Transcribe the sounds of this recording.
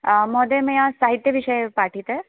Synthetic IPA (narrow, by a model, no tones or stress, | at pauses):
mɔd̪eməjasaɦit̪jəʋiʂəjepaʈʰit̪e